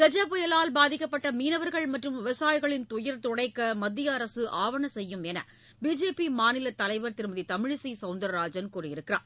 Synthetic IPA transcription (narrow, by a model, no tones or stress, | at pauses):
kɛd͡ʒɐpʊjɐlaːlbaːðɪkːɐpːɐʈːɐmiːnɐʋɐɾɣɐɭmɐʈrɯmʋɪʋɐsaːjɣɐɭɪnt̪ʊjɐɾt̪ʊɽɐɪkːɐmɐd̪ːɪjɐːɾɐsɯʔaːʋɐɳɐsɛjːɯmɛnɐ̰ | biːd͡ʒeːpimaːnɪlɐt̪ːɐlɐɪʋɐɾt̪ɪɾɯmɐðit̪ɐmɪɻsisɐʊnd̪ɐɾɾaːd͡ʒɐnkuːrɐjɪɾɯkːɪra̰ːɾ